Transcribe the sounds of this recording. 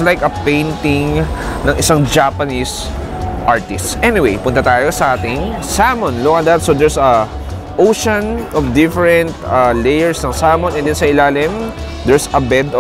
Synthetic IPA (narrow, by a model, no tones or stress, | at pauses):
lajkɐpẽjnt̪ɪŋ | nɐŋʔɪsaŋd͡ʒapɐnis | ʔaɹt̪ɪst̪sʔɛnɪwejpʊnt̪ɐt̪aːjosɐʔaːt̪ɪŋsamɔnloʔɐd̪ɐt̪̚sod̪ɛɹsɐ | ʔowʃɐnʔɔfd̪ɪfɛɹɛ̃nt̪̚ɐlejɛɹsnɐŋsaːmɔ̃nɛ̃nd̪ɛnsɐɪlaːlɪm | d̪ɛɹsɐbɛd̪